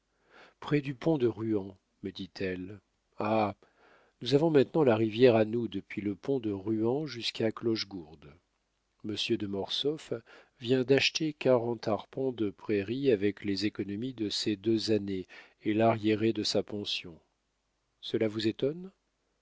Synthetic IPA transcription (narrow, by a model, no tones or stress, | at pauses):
pχɛd̪ypɔ̃d̪əʁyɑ̃ | məd̪it̪ʰɛl | a | nuzavɔ̃mɛ̃t̪nɑ̃laʁivjɛʁanud̪əpɥiləpɔ̃d̪əʁyɑ̃ʒyskaklɔʃɡuʁd̪ | məsjød̪əmɔʁsɔf | vjɛ̃d̪aʃt̪ekaʁɑ̃t̪aʁpɑ̃d̪əpχeʁiavɛklezekɔnɔmid̪əsed̪øzaneː | laʁjeʁed̪əsapɑ̃sjɔ̃ | səlavuzet̪ɔn